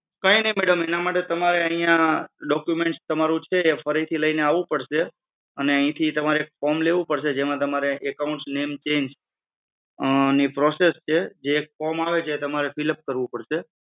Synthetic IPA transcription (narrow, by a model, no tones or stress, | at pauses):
kə̃inəimeɽəmenamaʈet̪əmaɾeəɦĩjãɖɔkjumẽɳʈst̪əmaɾũt͡ʃʰeːfəɾit̪ʰiləineaʋũpəɽʃe | əneə̃ɦĩt̪ʰit̪əmaɾeek̚fɔmleʋũpəɽʃed͡ʒemãt̪əmaɾeʔːkaʊ̃ɳʈsnemt͡ʃend͡ʒ | nipɾɔsest͡ʃʰed͡ʒeːk̚fɔmaʋet͡ʃʰeːt̪əmaɾefiləp̚kəɾʋũpəɽʃe